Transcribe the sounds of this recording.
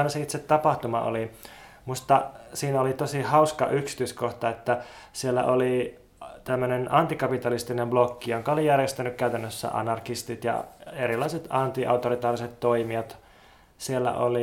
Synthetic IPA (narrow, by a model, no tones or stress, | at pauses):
nɑseit̪set̪t̪ɑpɑht̪umɑ̰ʔo̰li | must̪ːɑsiːnæolit̪osihɑuskɑ̰ʔyksi̥t̪yiskoht̪ɑet̪ːæ | sielːæ̰ʔoli | t̪æmːønenɑnt̪ikɑpit̪ɑlist̪inemblokːijoŋkɑolijærjest̪ænykkæyt̪ænːøsːæ̰ʔɑ̰nɑrkist̪it̪jɑ̰eɾilːˑɑiset̪ɑnt̪iʔɑ̰ut̪oɾit̪ɑːriset̪t̪oimiɑt̪ | sielːæ̰ʔo̰li